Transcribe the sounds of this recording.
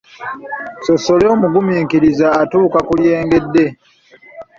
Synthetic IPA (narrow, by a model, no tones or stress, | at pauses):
so̞so̞leoːmuɡumiːŋkiɾizaːtuːkakulje̞ːŋɡe̞dːe̞